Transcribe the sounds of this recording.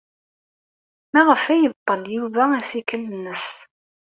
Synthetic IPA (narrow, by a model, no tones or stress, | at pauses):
mæʁəfæjəvt̪ˤːəljuvææsikələnːəs